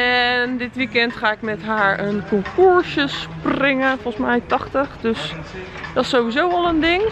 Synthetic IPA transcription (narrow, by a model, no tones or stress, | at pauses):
ɛndɪtʋikɛntχaːɪkmɛtɦaːɹənkɔŋkuɹsəsprɪŋənfɔlˠsmɛjtɑχtəχdøs | dɑsowʋizowɔlˠəndɪŋ